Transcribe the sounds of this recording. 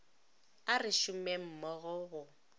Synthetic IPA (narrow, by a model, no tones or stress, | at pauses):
arɪʃʊmɛm̩mɔɣʊɣʊ